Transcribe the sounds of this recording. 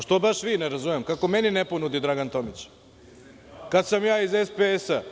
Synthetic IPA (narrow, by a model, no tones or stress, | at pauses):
ʃt̪obaʃʋiːneɾazumemkako̞menineponud̪id̪ɾaɡant̪o̞mit͡ɕ | kad̪samjaːizespeesa